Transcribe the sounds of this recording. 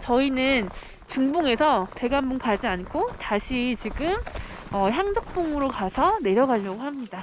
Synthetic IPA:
t͡ɕʌinɯn | t͡ɕuŋbuŋe̞sʰʌte̞ɡanbunkad͡ʑiankʰotaɕʰit͡ɕiɡɯm | ʌçjaŋd͡ʑʌk̚p͈oŋɯɾokasʰʌne̞ɾjʌɡaɭːʌɡohamɲida

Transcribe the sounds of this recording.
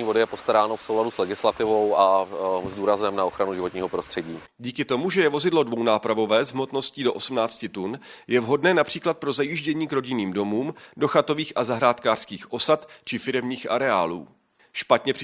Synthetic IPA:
iːvo̞dɪjɛpo̞st̪aɾaːnofsowladuslɛɡɪslat̪ɪvo̞wʔazduːɾazɛmnao̞xɾanuʒɪvoɲiːɦopɾo̞st̪r̥ɛɟiː | ɟiːkɪt̪o̞muʒɛjɛvo̞zɪdlo̞dvo̞wnaːpɾavo̞vɛːzɦmo̞t̪no̞sciːdo̞ʔo̞sumnaːt͡scɪt̪unjɛvɦo̞dnɛːnapr̝̥iːklat̪̚pɾo̞zajiʒɟɛɲiːkɾo̞ɟɪniːmdo̞muːmdo̞xat̪o̞viːxʔazaɦɾaːt̪kaːr̥skiːxʔo̞sat̪t͡ʃɪfɪɾɛmɲiːxʔa̰ɾɛa̰ːlṵː | ʃpat̪ɲɛpr

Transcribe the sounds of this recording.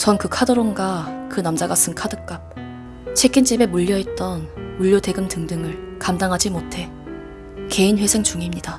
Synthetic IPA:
t͡ɕʌnkɯkʰadoɾonɡakɯnamd͡ʑaɡas͈ʰɯnkʰadɯk͈ap̚ | t͡ɕʰe̞ɡint͡ɕ͈ibe̞muʎːʌet̚t͈ʌnuʎːjote̞ɡɯmtɯŋdɯŋɯɭ | kamdaŋɦad͡ʑimotʰe̞ | ke̞inɸwe̞sʰeŋt͡ɕuŋimɲida

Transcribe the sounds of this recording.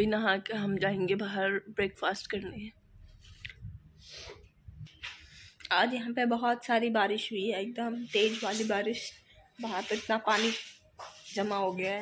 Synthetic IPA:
inɐɦãkeɦɐmd͡ʒaːẽːŋɡebaːɦəɾbɾeːkfaːsʈkɐɾneɦɛ̃ː | aːd͡ʒjɐɦãpebɐɦɔt̪saːɾibaːɾɪʃɦʊiɦɛek̚d̪əmʈeːd͡ʒʋaːlibaːɾɪʃ | baɦəɾt̪oɪt̪napaːni | d͡ʒɐmaɦoɡɐjaɦ

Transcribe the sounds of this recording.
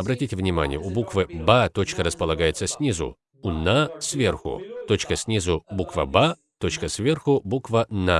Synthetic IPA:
ɐbɾɐtʲitʲɪvnʲɪma̰nʲɪjəʊbukvɨbat̪o̞t͡ɕkəɾəspəlˠɐɡajɪt̪səsʲnʲizʊ̰ | unasʲvʲe̞rxʊ̰t̪o̞t͡ɕkəsʲnʲizʊbukvə̰ba | t̪o̞t͡ɕkəsʲvʲe̞rxʊbukvəna

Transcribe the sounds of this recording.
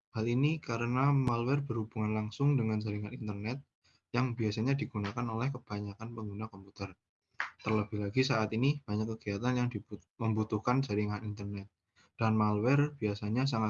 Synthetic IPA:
halinikaɾənamalwɛrbərhub̥uŋanlaŋsʊŋdəŋansəɾiŋanint̪ərnɛt̪̚ | jaŋbiasaɲadiɡ̥unakanolɛhkəb̥aɲakanpəŋɡunakɔmput̪ər | t̪ərləbɪhlaɡisaat̪inib̥aɲakːəɡiat̪anjaŋdiməmbut̪uhkansəɾiŋanint̪ərnɛt̪̚ | d̥anmalwɛrb̥iasaɲas̬aŋa

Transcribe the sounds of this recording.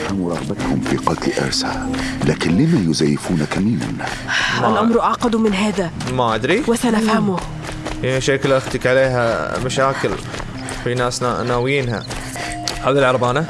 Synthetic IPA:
hamuɾˤɑɣbat̪hʊmfiːqɑt̪lʔɪ̰ɾˤsa̰laːkɪnlɪmajʊzajːɪfuːnakamiːma̰n | mallʔamɾʔaʕqɑd̪umɪnɦaːðamaʔad̪ɾiwɪsanafhamʊ | anaʃaːklʔaxt̪ɪkʕaleːɦa̰maʃaːkɪl | finaːsna̰naːwjiːnɦa̰ | ʕaːðilʕɑɾˤbɑːna

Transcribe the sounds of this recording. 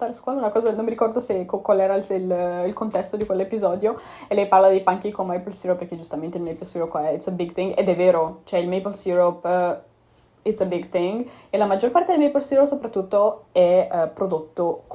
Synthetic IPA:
t̪aɾskwɔːlaunakɔːzanonmːiɾikɔrd̪osekokwalɛːɾalselilkont̪ɛst̪od̪ikwelːepizɔːd̪jo | elːɛjparlad̪ejpaŋk̟ikomajpolsjuɾopːerk̟ed͡ʒust̪ament̪eilmejpolsjuɾopɛit̪sebiɡt̪iŋɡḛd̪ɛvːeːɾot͡ʃoɛilmejpolsjuɾop | it̪sebiɡt̪iŋɡelamad͡ʒorpart̪ed̪elmejpolsjuɾopsopɾat̪ːut̪ːoɛpɾod̪ot̪ːok

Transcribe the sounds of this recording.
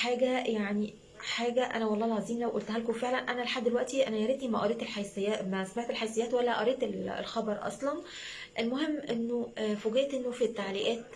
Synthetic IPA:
ħaːɡæjaʕni | ħaːɡæʔæ̰næwɑlˤːɑːelʕɑziːmlæwʔolt̪hælkofeʕlænʔænæleħad̪ːelwæʔt̪iʔænæjɑɾet̪nimæʔɑɾˤeːt̪elħajsejːæːmæsæmeʕt̪elħajsejæːt̪wælːæʔɑ̰ɾˤeːt̪elḛlxɑbɑɾˤʔɑ̰sˤlɑn | ʔelmoɦemːʔenːofoɡet̪ʔenːofit̪ːaʕliːʔæːt̪

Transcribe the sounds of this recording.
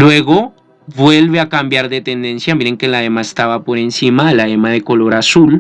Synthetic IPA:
lwe̞ɣo | βwe̞lβeakambjaɾðet̪end̪e̞nsjamiɾeŋkelaemae̥st̪aβapo̞ɾensimalaemaðeko̞lo̞ɾasul

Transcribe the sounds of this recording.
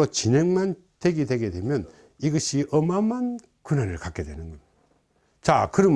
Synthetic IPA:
ot͡ɕine̞ŋman | te̞ɡidwe̞ɡe̞dwe̞mjʌn | iɡʌɕʰiʔʌmaman | kunanɯɭkak͈e̞dwe̞nɯnɡʌ | t͡ɕakɯɾʌm

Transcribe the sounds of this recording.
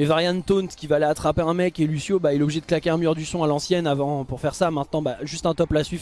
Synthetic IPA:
mɛvaʁjant̪ont̪kʲivalɛat̪χapeɛ̃mɛkelysjobailɛɔbliʒɛd̪ə̥klakʲeɛ̃myʁd̪ysɔ̃alɑ̃sjɛnavɑ̃puʁfɛʁsamɛ̃t̪̚nɑ̃baʒyst̪ɛ̃t̪ɔplasɥif

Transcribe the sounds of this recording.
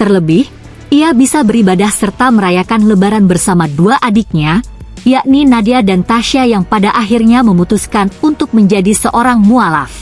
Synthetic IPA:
t̪ərləbɪh | ʔiabisabəɾibadahsərt̪aməɾajakanləbaɾanbərsamaduaʔadɪk̚ɲajaʔninadiadant̪aʃiajaŋpadaʔaɦirɲaməmut̪uskanunt̪ʊk̚məɲd͡ʒadisəʔoɾaŋmuala̰f

